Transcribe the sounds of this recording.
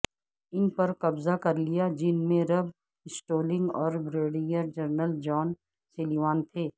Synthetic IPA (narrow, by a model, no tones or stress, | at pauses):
ɪnpɐɾkɐbzakɐɾlijad͡ʒɪnmẽɾɐb | ɪsʈoːlɪ̃ŋɡɔːɾbɾeːɽĩəɾd͡ʒɐɾnəld͡ʒɔːn | seliʋaːnt̪ʰeː